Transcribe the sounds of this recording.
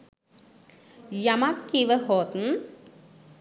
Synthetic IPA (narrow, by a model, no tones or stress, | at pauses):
jɐmakːiʋəɦoːt̪n̩